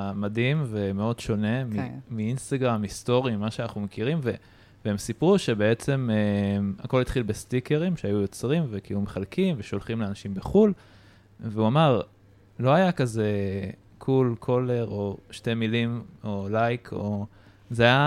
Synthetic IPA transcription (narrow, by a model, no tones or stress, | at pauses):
mad̪imve̞meo̞dʃo̞ne̞mimiinst̪aɡʁamisto̞ʁimimaʃeanaχnumekiʁimve | veemsipʁuʃe̞be̞et͡se̞memako̞lit̪χilbest̪ikeʁimʃeajujo̞t͡sʁimvekilume̞χalkimveʃo̞lχimleanaʃimbeχul | veuamaʁ | lo̞ajakaze̞ | kʰulkʰo̞le̞ʁo̞ʃte̞milimo̞lajkʰo̞ | zeaja